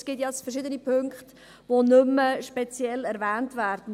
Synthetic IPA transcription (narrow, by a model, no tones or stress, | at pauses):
sɡ̥itjɑsfərʃɪd̪ənipʰɵŋkχt | ʋonʏməʃpet͡sjɛlɛɾvæːntvæːɾd̥n̩